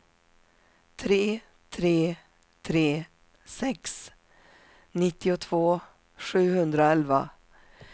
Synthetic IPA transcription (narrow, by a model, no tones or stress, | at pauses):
t̪ʰɾeː | t̪ʰɾeː | t̪ʰɾeː | sɛks | nɪt̪ːɪʊt̪ʰv̥oː | ɧʉ̟ːhɵnd̪ɾaɛlva̰